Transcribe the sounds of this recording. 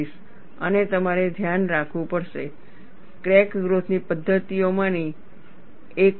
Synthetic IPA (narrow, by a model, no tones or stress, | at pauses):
iʃ | ənet̪əmaɾed̪ʱjanɾakʰʋũpəɾʃe | kɾɛkɡɾot̪ʰnipəd̪ʱːət̪ijomãni | ek